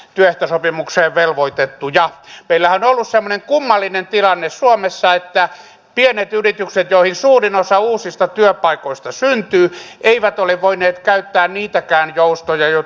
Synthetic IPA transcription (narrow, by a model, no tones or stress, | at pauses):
t̪yøeht̪øsopimukseːʋʋelʋoit̪et̪ːujɑmeilːæhænolːussemːoneŋkumːɑlːinent̪ilɑnːessuomesːɑet̪ːæ | pienet̪yrit̪ykset̪joihinsuːrinosɑuːsist̪ɑt̪yøpɑikoist̪ɑsynt̪yːʔeiʋæt̪oleʋʋoineːt̪kæyt̪ːæːnniːt̪ækæːnjoust̪ojɑjo